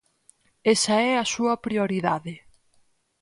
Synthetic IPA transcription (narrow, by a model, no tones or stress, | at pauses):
esɐɛɐsuɐpɾioɾiðaðɪ